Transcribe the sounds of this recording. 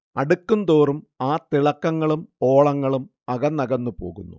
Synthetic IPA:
ɐɽukːund̪o̞ːrum | aːt̪iɭɐkːɐŋːɐɭumo̞ːɭɐŋːɐɭum | ɐɣɐnːɐɣɐnːupo̞ːɣunːu

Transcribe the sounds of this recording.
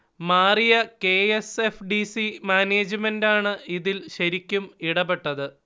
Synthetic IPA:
maːrijɐkeːesefɖisimaːneːd͡ʑɨmendaːɳɨiðilɕɐɾikʲːumiɽɐbeʈːɐðɨ

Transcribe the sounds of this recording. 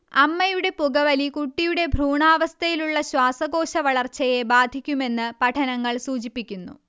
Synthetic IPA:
ɐmːɐjuɽe̞puɡɐʋɐlikuʈːijuɽe̞bʱruːɳaːʋɐst̪ʰɐjiluɭːɐɕwaːsɐɣo̞ːɕɐʋɐɭɐrt͡ɕːɐje̞baːd̪ʱikʲːume̞nːɨpɐʈʰɐnɐŋːɐɭsuːt͡ɕipːikʲːunːṵ

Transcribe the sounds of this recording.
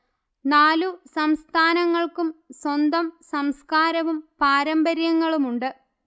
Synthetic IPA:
naːlusɐmst̪ʰaːnɐŋːɐɭkumswɐnd̪ɐmsɐmskaːɾɐʋumpaːɾɐmbɐɾjɐŋːɐɭumuɳɖɨ

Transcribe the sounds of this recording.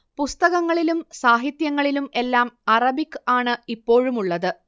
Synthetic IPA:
pust̪ɐɣɐŋːɐɭilumsaːɦit̪jɐŋːɐɭilume̞lːaːmɐrɐbikːɨaːɳɨipːo̞ːɻumuɭːɐðɨ

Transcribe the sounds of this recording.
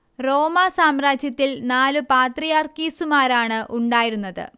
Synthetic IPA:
ro̞ːmasaːmraːd͡ʑjɐt̪ːilnaːlɨpaːt̪rijaːrkiːsumaːɾaːɳɨʔuɳɖaːjiɾunːɐðɨ̰

